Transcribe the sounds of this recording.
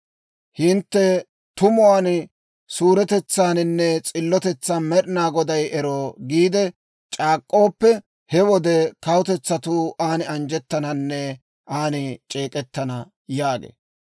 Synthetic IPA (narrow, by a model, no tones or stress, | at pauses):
hɪnt̪ːɛ | t̪ʊmʊwaːn | suːɾɛt̪ɛt͡sːaːnɪnːɛt͡sʼɪlːɔt̪ɛt͡sːamɛɗɪnaːɡɔd̪ɐjɛɾoːɡiːd̪ɛ | t͡ʃʼaːkʼːo̞ːpːɛ | hɛwɔd̪ɛkɐwʊt̪ɛt͡sːɐt̪uːʔaːnɪɐnd͡ʒɛt̪ːɐnɐnːɛ | ʔaːnɪt͡ʃʼe̞ːkʼɛt̪ːɐnɐ | jaːɡḛː